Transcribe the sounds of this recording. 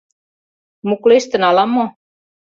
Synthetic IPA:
mukleʃt̪ɘ̆nɑlɑmːo

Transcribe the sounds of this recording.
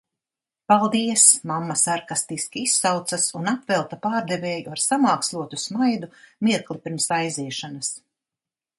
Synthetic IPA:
palˠd̪iɛsmamːasaɾkast̪iskʲiisːawt̪sasunapvɛlˠt̪apaːɾd̪ɛvɛːjuaɾsamaːkslˠuɔt̪usmajd̪umiɛklˠipʲiɾmsajziɛʃanɐs

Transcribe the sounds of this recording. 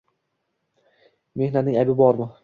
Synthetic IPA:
me̞hnat̪nɪŋajbɪbɒɾmɪ

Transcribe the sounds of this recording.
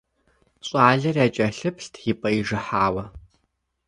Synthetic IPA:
ɕʼaːɮɐrjaːt͡ʃʼɐɬɨpʰɬtʰjipʼɐiʒɨħaːwɐ

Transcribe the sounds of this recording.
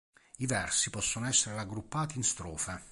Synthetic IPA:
ivɛrsipɔsːonoɛsːeɾeaɡɾupːaːt̪iːnst̪ɾɔːfe

